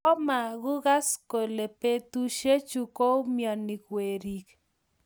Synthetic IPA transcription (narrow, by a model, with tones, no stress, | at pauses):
ɔ˦ma˨ɣʊ˦ɣa˦sko˨le˨pe˦t̪u˦ʃe˦t͡ʃu˦ko˦mja˨ni˨kwe˨ɾi˨k